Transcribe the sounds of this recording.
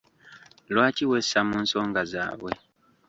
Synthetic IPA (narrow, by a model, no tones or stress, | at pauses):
lwaːciwesamuːnso̞ːŋɡaza̰ːβwḛ